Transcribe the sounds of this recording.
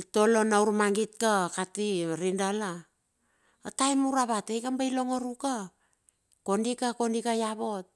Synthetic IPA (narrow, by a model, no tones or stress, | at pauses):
to̞lo̞nauɾmaŋɡitkakatiɾindalaː | tajmuɾaβatejkambajlo̞ŋoɾuka | ko̞ndikako̞ndikajaβo̞t̚